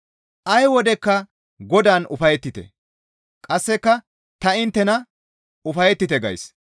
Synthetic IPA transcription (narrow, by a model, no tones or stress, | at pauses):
ʔɐjwɔd̪ɛkːɐ | ɡɔd̪aːnʊ̰fɐjɛt̪ːɪt̪ɛ̰ | kʼɐsːɛkːɐ | t̪ɐɪnt̪ːɛnɐ | ʊfɐjɛt̪ːɪt̪ɛɡɐ̰js